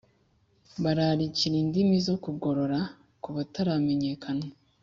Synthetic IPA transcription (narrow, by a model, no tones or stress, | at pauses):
βaɾaɾiciɾindimizo̞kuɡo̞ɾo̞ɾa | kuβataɾame̞ɲe̞kʰana